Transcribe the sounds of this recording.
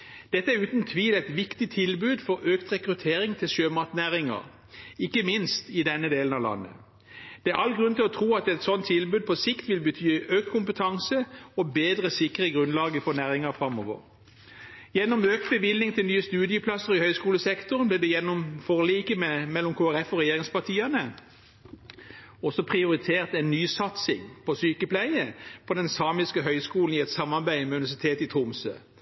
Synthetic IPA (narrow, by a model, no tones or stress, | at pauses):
d̪̥ɛt̪ːəæʉːt̪n̩t̪ʰʋiːlɛɪt̪ʋɪkt̪ɪt̪ʰɪlbʉːd̪fɔʁøːkt̪ʁɛkʁʉt̪ʰeːʁɪŋt̪ʰɪlʃøːmɑʁt̪næːʁɪŋɑ̰ʁ | ɪkːəmɪnst̪ɪd̪ɛnːəd̪eːlən̩ɑʋlɑ̰nːə̰ | d̪̥ɛæʁɑlɡʁʉnt̪ɪlɔt̪ʰʁuːɑt̪ɛt̪sɔnt̪ʰːɪlbʉːd̪̚pʰɔsɪkt̪ʋɪlbət̪ʰyːøːk̚t̪̚kʰʊmpət̪ʰɑŋsəɔbeːd̪ʁəsɪkːʁəɡʁʉnlɑːɡəfɔnæːʁɪŋɑʁfɾɑmɔʋə̰ʁ | jɛnːɔmøːk̚t̪̚bəʋɪlnɪŋt̪ʰɪlnyːəst̪ʉːd̪ɪəpʰlɑsəʁɪhœʏskuːləsɛkt̪ʊʁnb̪ɛːd̪ɛjɛnːɔmfɔʁliːkəmɛmɛlːɔmkʰoːæʁɛfɔʁɛjeːʁɪŋspɑt̪ʰiːɑnə | ɔsɔpʰʁɪʊɾɪt̪ʰeːʁt̪ɛɪnnyːsɑt̪sɪ̰ŋpʰɔsyːkəplæɪəpʰɔd̪ɛnsɑːmɪskəɦœʏskuːln̩ɪɛt̪sɑmːɑʁbæɪmɛʉnɪʋɛs̬ɪt̪ʰeːt̪ɪt̪ʰʊmsø̰ː